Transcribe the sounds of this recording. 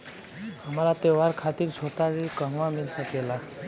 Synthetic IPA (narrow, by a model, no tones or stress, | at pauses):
həmɾat̪eʋaɾkʰat̪iɾt͡sʰot̪aɾikəɦʋamilsəkela